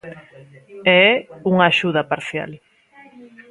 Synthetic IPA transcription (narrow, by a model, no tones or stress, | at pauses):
ɛɛuŋaːʃuð̞apaɾθja̰l